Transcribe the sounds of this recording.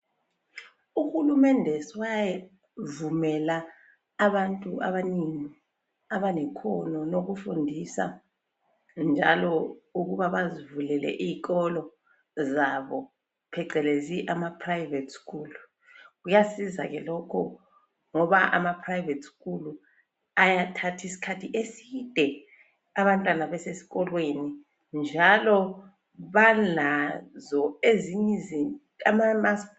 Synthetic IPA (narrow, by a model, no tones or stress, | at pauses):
uxulumɛndʱɛswajɛ | vumɛlaː | βantʼuʔa̰βaniŋi | aβanɛkʰɔnɔnoɣ̬ufundʱisa̰ | nd͡ʒʱalɔuɣ̬uβaβazivulɛlɛ̰ʔiːk̬ʼɔlɔ | zaβɔ | pʰɛǀɛleziʔamapʰrajivɛtʰʼskʰuːlu | ɣujasiza̰ɣɛlɔkʰɔ | ŋɔβaʔa̰mapʰrajvɛtskʼulu | ajatʰatʰisi̥kʰatʰiʔesid̥ʱɛ | aβantʼwanaβɛsesi̥ɣɔlweni | nd͡ʒʱalɔ | βanazɔeziɲizi | amamas